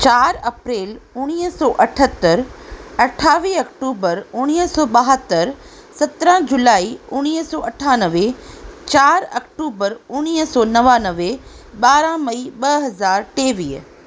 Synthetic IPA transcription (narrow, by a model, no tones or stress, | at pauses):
t͡ɕaːɾɐpɾeːlʊɽ̃iːɦsɔːʔɐʈʰət̪ːəɾɐʈʰaːʋiːɐkʈuːbəɾʊɽ̃iːɦsɔːɓɐɦət̪ːəɾ | sɐt̪ɾə̃d͡ʑʊlaːiʊɽ̃iːɦsɔːɐʈʰaːnəʋet͡ɕaːɾɐk̚ʈuːbəɾʊñiːɦsɔːnɐʋaːnəʋeɓaːɾãmɐiːɓɐɦɐzaːɾʈeːʋiːɦ